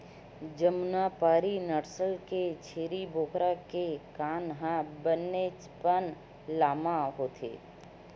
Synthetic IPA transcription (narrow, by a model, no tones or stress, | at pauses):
d͡ʒəmnapaːɾinəɾsəlket͡ʃʰeːɾibʱoːkʰɾakekaːnɦãbənːet͡ʃpən | laːmãɦoːt̪ʰḛː